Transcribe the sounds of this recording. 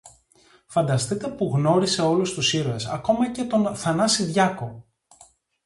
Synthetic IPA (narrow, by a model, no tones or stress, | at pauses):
fɐnd̪ɐst̪ik̪ɐpuɣno̞ɾise̞o̞lust̪usiɾoe̞sɐ̰ko̞mɐce̞t̪o̞nθɐnɐsiðʝɐko̞